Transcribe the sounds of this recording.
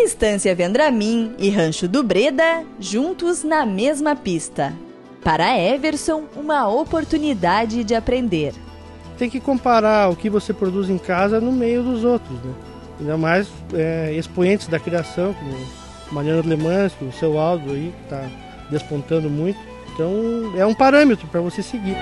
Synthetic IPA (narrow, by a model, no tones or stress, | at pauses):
ist̪ɐ̃sjɐvẽnd̪ɾamĩɪɦɐ̃ʃʊd̪ʊbɾed̪ɐʒũnt̪ʊznɐmezmɐpist̪ɐ | paɾɐɛveɾsõũmɐopoɾt̪unid̪ad͡ʒɪd͡ʒɪapɾẽnd̪eɾ | t̪ẽj̃kɪkõmpaɾaɾʊkɪvosepɾod̪uzẽj̃kazɐnʊmejʊd̪ʊzowt̪ɾʊznɛ | ĩnd̪ɐmajs | ɛespõẽnt͡ʃ̪ɪzd̪ɐkɾiasɐ̃w̃kõmʊ | mɐ̃ɲɐ̃nʊlemɐ̃skʊʊsewawd͡ʒʊaiɪt̪a | d̪espõnt̪ɐ̃nd̪ʊmũj̃t̪ʊ̥ | ẽt̪ɐ̃w̃ɛũpaɾɐ̃met̪ɾʊpɾɐvoseseɡiɾ